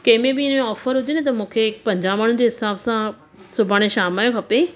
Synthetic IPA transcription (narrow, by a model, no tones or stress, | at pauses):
kɐ̃ɦɪ̃mẽbɪɪnmẽɔːfəɾɦʊd͡ʑenɪt̪ɐmũːkʰeɪkpɐ̃ɲd͡ʑamaːɳ̤ʊ̃nd͡ʑeɦɪsaːbsã | sʊbʱaːɽ̃eʃaːmaːjõkʰɐpe